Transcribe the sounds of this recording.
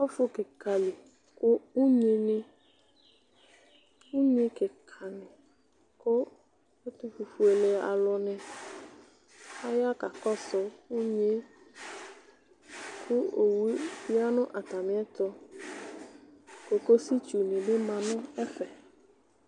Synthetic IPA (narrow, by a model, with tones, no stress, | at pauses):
ɔ˦fʊ˦kɪ˨ka˨li˨ | kʊ˦u˦ɲe˨nɪ̃˦ | u˦ɲe˦kɪ˨kʰa˨nɪ̃˨ | kʊ˦ | ʊ˦t̪u˦fu˨fu˨e˨le˨˦a̰˨lɔ˨nɪ̃˨ | a˦ja˦ka˨kɔ˦sɔ˨u˦ɲe˦ | kʰʊ˦o˨wu˦fi˦a˦nʊ̃˦ʔa˨t̪a˨mɪ̃˦ɛ˦t̪ɔ˦ | ko˨ko˦si˦t͡ʃu˨nɪ̃˨bɪ˦mã˨nʊ̃˦ɛ˦fɛ˨